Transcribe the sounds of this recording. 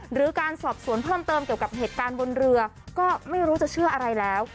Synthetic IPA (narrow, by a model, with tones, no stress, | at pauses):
ɾɯː˩˦kaː˧nsɔː˨˩p̚su˨˩˦ənpʰɤː˥˩mt̪ɤː˧mki˩əwka˨˩p̚ɦeː˨˩t̪̚kaː˧nbo˧nɾɯ˧ɐ | kɔː˥˩ma˥˩jɾuː˦˥t͡ɕa˨˩t͡ɕʰɯ˥˩ɐʔa˧ɾa˧jlɛː˦˥w